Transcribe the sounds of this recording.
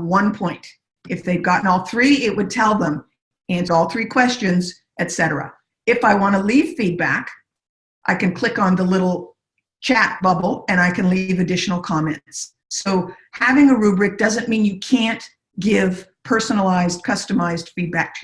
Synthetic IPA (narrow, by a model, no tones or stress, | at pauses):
wʌ̃npʰɔ̃ɪ̃nt | ʔɨfðeɪvɡɑʔn̩ɔlˠθɹiɪt̚wɨd̚tʰɛlˠðə̃m | æ̃nsə˞ɔlˠθɹikʰw̥ɛst͡ʃɨ̃nz | ʔɨtsɛɾə˞ə̰ | ɨfaɪwɑ̃ñəliv̥fid̚bæ̰k | ʔaɪkɨ̃nkʰl̥ɪkn̩ðəlɪɾl̩ˠ | t͡ʃʰæt̚b̥ʌbl̩ˠɨ̃ñaɪkʰɨ̃nlivɨdɪʃn̩l̩ˠkʰɑmɛ̃nts | oʊhævɪ̃ŋɨɹʉbɹɨk̚d̥ʌzɨ̃nmĩnjɨkʰæ̃nt | ɡ̥ɪv̥pʰɜ˞sənl̩aɪzd̚kʰʌstɨmaɪzd̥fid̚bæk̚tʰ